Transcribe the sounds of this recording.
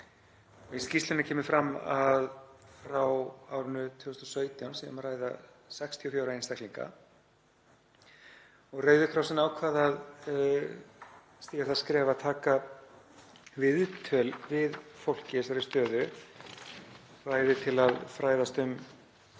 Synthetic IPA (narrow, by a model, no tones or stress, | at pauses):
ɔɣiscist̪lʏnʏcʰɛːmɪfɾamːaðrawawɾʏnʏt̪ʰʏːʏst̪ɔsœːɥt̪jawnsɛamaɾraːjða̰ | sɛkst̪ʰiɔfjoːwɾaejnst̪ahkliŋka̰ | ɔɣreːɥðʏkʰɾawsɪnaːwkʰvaːðað | st̪iːɣaɾθaskɾɛːvaðt̪ʰaːka | vɪðt̪ʰœːlvɪðfowl̥cɪsaɾɪ̥st̪œːðʏ | raːjðɪt̪ʰɪlaðfɾajðast̪ʏm